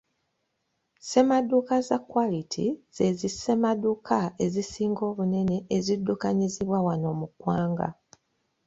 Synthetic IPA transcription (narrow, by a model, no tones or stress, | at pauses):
se̞madːukazakwalitʰḭz̥e̞zise̞madːukʰae̞zisiːŋɡo̞ːβune̞ne̞ʔːzidːukaɲiziβwawano̞ːmukwaːŋɡa̰